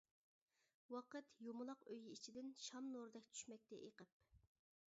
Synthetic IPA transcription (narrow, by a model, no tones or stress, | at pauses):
wɑqət̪jomʊlˠɑqøjit͡ʃʰid̪ɪnʃɑmnoɾɨd̪ɛkʲt͡ʃʰy̥ʃmɛk̚ʲt̪ɛ̰ʔeqəp̚